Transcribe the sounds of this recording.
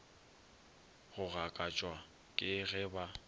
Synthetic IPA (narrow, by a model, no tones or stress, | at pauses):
ɣʊɣakʼat͡ʃʼwa | kʼɪɣɛba